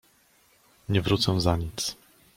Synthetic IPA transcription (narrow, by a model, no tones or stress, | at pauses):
ɲɛvɾut̪sɛ̃zaɲit̪s